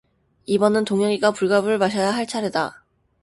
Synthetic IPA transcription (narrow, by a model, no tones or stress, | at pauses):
ibʌnɯntoŋjʌɡiɡapuɭɡabɯɭmaɕ̬ʰʌjaɦaɭt͡ɕʰaɾeda